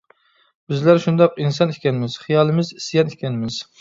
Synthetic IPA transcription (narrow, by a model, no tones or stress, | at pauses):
b̥ɪzlæɾʃund̪ɑqinsɑnɪkʲɛnɪmɪz̥χijɑːlˠɨmɪzi̥sijɛnɪkʲʰɛnɪmɪz̥